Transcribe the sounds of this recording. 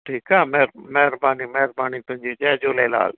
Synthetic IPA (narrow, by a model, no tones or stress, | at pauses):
ʈʰiːkaːmɛɾmɛːɾbaːniːmɛːɾbaːnit̪ʊɦɪ̃ɲd͡ʒid͡ʒaːd͡ʒoːleːla̰ːl